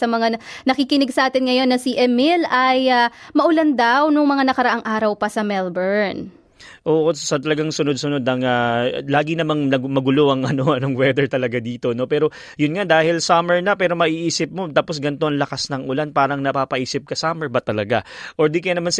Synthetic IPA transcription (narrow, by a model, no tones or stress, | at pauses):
ɐmɐŋanɐkikɪnɪɡsɐʔaːt̪ɪnŋɐjo̞nːɐsiʔɛmɪlɐjamɐʔʊland̪awnʊŋmɐŋanɐkɐɾɐʔaŋʔaːɾɐwpɐsɐmɛlbɛɹn | ʔoːʔo̞sɐt̪ɐlɐɡaŋsʊnod̪̚sʊno̞d̪ɐŋalaːɡɪnɐmaŋnɐmɐɡʊloʔɐŋʔɐno̞ʔɐno̞ŋwɛd̪ɛɹt̪ɐlɐɡad̪iːt̪o̞no̞pɛːɾo̞ | jʊnŋad̪aːhɪlsaːmɛɹnɐpɛːɾo̞mɐʔiːʔiːsɪp̚mo̞t̪aːpo̞sɡɐnt̪oʔɐŋlɐkasnɐŋʔʊlanpaːɾɐŋnɐpapɐʔiːsɪp̚kɐsaːmɛɹbɐt̪ɐlɐɡaʔoɹd̪ikɐjanɐmans